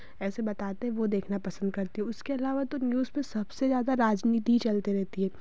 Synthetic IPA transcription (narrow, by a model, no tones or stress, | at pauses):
ɛːsebɐt̪aːt̪ẽɦɛ̃ʋod̪eːkʰnapɐsə̃nd̪̚kɐɾt̪iɦɛ̃ʊskeɐlaːʋat̪onjuːzpẽsɐbsezjaːd̪aɾaːd͡ʒniːt̪iit͡ʃɐlt̪eɾɛɦt̪iɦɛː